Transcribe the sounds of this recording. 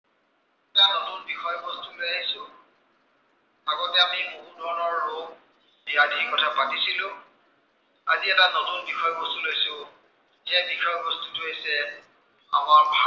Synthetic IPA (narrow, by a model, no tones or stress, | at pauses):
anotunbixɔjbɔstulojaɦisʊ̃ | aɡɔtɛamiboɦudʱɔɹnɔɹːoɡ̚ | biadʱikɔtʰapatisilʊ̃ | a̰ziɛtanotunbixɔjɔbɔstulojsʊ | zɛbixɔjɔbɔstutuɦejsɛ | a̰maɹbʱa